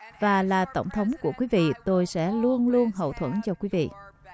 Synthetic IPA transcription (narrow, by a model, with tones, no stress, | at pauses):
vaː˨˩laː˨˩t̪ə˧˩wŋ͡mt̪ʰə˨˦wŋ͡mku˧˩əkwi˨˦vḭ˧˨t̪o˧jsɛ̰˧˥lu˧ənlu˧ənɦə̰˧˨wt̪ʰwə̰˧˩nt͡ɕɔ˧kwi˨˦vḭ˧˨